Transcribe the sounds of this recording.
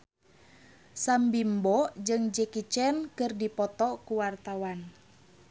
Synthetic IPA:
sambimbɔʔd͡ʒɨŋd͡ʒɛkit͡ʃɛnkɨrdipɔt̪ɔkuwart̪awan

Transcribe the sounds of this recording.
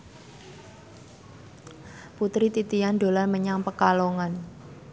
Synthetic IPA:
put̪ɾit̪it̪ianɖ̪o̤larməɲaŋpəkaloŋan

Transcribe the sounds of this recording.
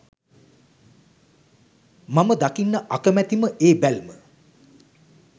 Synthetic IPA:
maməd̪akinːəʔakəmæt̪iməʔeːbælmə

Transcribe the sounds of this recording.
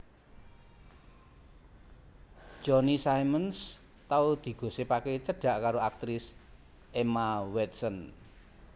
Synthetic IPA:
d̥ʒ̥ɔnisajməns | t̪aud̪̥i̤ɡ̥o̤sepaket͡ʃəɖ̥a̤ʔkaɾoak̚t̪ɾɪs | ʔemawɛt̪sɔn

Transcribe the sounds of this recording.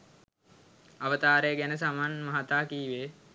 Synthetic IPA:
aʋət̪aːɾəjəɡænəs̬amaːnmaɦat̪aːkiːʋeː

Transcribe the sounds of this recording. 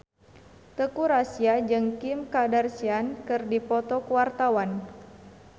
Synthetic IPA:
t̪əkuɾasiad͡ʒɨŋkimkadarsiankɨrdipɔt̪ɔkəwart̪awan

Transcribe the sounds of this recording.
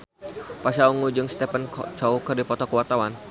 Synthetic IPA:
pasauŋud͡ʒɨŋst̪ɛpənt͡ʃaukərdipɔt̪ɔkəwat̪awan

